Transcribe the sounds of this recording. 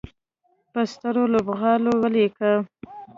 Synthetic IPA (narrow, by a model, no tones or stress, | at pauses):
pəst̪əɾolobɣɑlowəlekə